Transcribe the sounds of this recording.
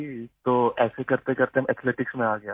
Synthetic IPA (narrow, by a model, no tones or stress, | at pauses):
d͡ʒiːt̪oːɛːsekɐɾt̪ekɐɾt̪eɦmɛt̪ʰleːʈɪksmẽaːɡɐjaː